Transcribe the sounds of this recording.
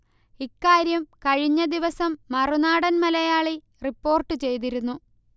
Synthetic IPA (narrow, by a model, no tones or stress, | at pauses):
ikːaːɾjɐmkɐɻiɲːɐd̪iʋɐsɐmːɐrunaːɽɐnmɐlɐjaːɭi | ripːo̞ːrʈːɨt͡ɕe̞jt̪̬iɾunːu